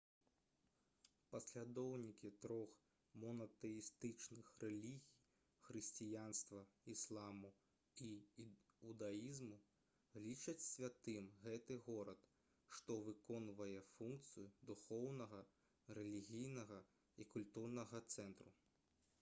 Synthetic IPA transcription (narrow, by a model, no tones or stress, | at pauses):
pɐsʲlʲad̪ɔwnʲikʲit̪ɾɔx | mɔnɐt̪ɛjist̪ɨt͡ʂnɨxrɛlʲiɣʲij | xɾɨsʲt͡sʲijanst̪vɐislˠamu | i | ud̪ajizmu | lʲit͡ʂɐt͡sʲsʲvʲat̪ɨmɣɛt̪ɨɣɔɾɐt̪ | ʂt̪ɔvɨkɔnvɐjɛfunkt̪sɨjud̪uxɔwnɐɣɐ | ɾɛlʲiɣʲijnɐɣɐ | ikulʲt̪urnɐɣɐt̪sɛnt̪ɾu